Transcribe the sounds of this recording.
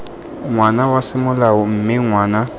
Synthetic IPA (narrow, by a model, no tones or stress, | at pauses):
ŋwanawasɪmʊlaʊm̩mɪŋwaːna